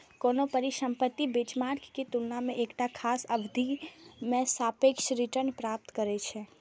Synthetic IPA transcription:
konopəɾiʃə̃mpət̪ːibet͡ʃmaɾkket̪ulnamẽʔeːkʈakʰaːsəbd̪ʱimẽsapekʃɾɪʈəɾnpɾaːp̚t̪kəɾet͡ʃʰɛ

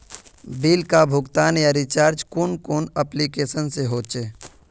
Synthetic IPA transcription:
biːlkabʱʊɡt̪aːnjaɾit͡ʃaːɾd͡ʒkunkoːnəplikeːsənseɦoːt͡ʃeː

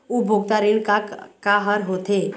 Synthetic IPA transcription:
ubʱoɡ̚t̪aɾiɽkakaɦəɾɦoːt̪ʰeː

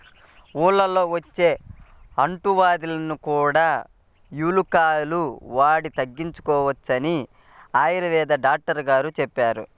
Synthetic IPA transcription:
uːɭːɐlo̞ːʋɐt͡ʃːe̞ːɐɳʈuʋaːd̪ilɐnukuːɽaː | juːlukaːluʋaːɽit̪ɐɡːiɲt͡ʃu̥kɔːʋɐt͡ʃːɐni | aːjɐɾɐʋɛːd̪ɐɖaːk̚ʈɐɾɡaːɾut͡ʃɛpːaːɾṵ

